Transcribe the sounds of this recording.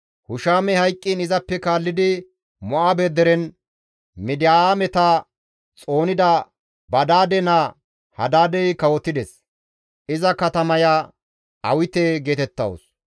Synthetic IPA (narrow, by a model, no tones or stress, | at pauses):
hʊʃaːmɛhɐjkʼːɪnɪzɐpːɛkaːlːɪd̪ɪ | mɔʔabed̪ɛɾɛn | mɪd̪ɪjaːmɛt̪a | t͡sʼo̞ːnɪd̪ɐ | bɐd̪aːd̪ɛnɐ | hɐ̰d̪aːd̪ɛjkɐwɔt̪ːɪd̪ɛs | ʔɪzɐkɐt̪ɐmɐja | ɐwɪt̪eɡeːt̪ɛt̪ːɐ̰w̰s